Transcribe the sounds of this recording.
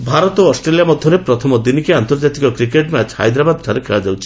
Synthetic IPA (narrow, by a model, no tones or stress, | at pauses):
bʱaɾɔt̪ɔɔsʈɾeliamɔd̪ʱjɔɾepɾɔt̪ʰɔmɔd̪inikeant̪ɔɾd͡ʒat̪ikɔkɾikeʈmat͡ʃʰha̰jd̪ɾabad̪̚kʰaɾekʰeɭad͡ʒawt͡ʃʰi̥